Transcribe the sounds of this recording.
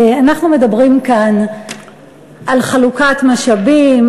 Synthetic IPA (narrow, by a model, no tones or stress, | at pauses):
anaχnume̞dabʁimkan | ʔalχalukat̪maʃabim